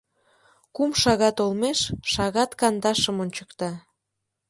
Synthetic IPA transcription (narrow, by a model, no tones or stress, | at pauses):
kumʃɑɣɑt̪olmeʃʃɑɣɑt̪kɑnd̪ɑʃəmonʲt͡ɕəkt̪ɑ